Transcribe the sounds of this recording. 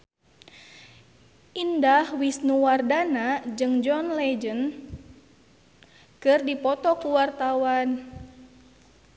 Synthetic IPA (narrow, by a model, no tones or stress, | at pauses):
ʔindahwisnuwardanad͡ʒɨŋd͡ʒɔnlɛd͡ʒən | kɨrdipɔt̪ɔkuwart̪awan